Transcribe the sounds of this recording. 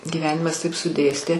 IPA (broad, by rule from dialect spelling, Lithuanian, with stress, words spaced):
ɡʲiːˈʋʲæːnʲɪmɐs ˈtɐɪp sʊˈdʲeːsʲtʲeː